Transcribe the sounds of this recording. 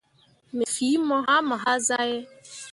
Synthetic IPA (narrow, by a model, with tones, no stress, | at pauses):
me˨fi˨˦mɔ˦ɦa˦ma˨ɦa˦za˦je˦